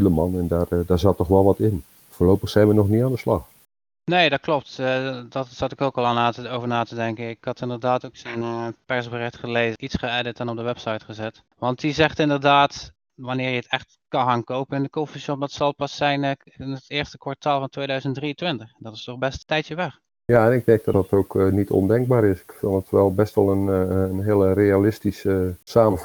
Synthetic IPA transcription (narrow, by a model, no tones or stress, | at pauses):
ləmɑnɛndaːrdaːɹzɑtːɔχʋɛlˠʋɑtɪn | foːlowpəχsɛjnʋənɔχniaːndəslɑ̰χ | neːdɑt̚klɔp̚tdɑtsɑtɪkokɑlˠaːnaːtətowvəɹnaːtədɛŋkənɪkɑtɪndəɹdaːtowksənpɛɹsbərɪχtχəlejzitsχəɛdɪtɛnɔp̚dəʋɛpsɑjtχəzɛt | ʋɑntdizɛχtɪndəɹdaːt | ʋɑnɪːɹjəətɛχt | kɑnxaːnkowpənɪndəkofiʃɔp̚dɑtsɑlˠpɑsɛjn | ɪnətɪːɹstəkʋaɹtaːlˠvɑntʋejdœɥzəntdriəntʋɪntəχɛndɑtɪstɔχbɛsttːɛjtjəʋɛχ | jaɛnɪk̚mɛɡ̚d̥ɔdɑtʰowknitʰɔ̰ndɛŋɡ̚baːɾɪsɪkfɪnˠdətʋɛlˠbɛstʋɑlˠənɦɪlˠrealɪstisəsaːmə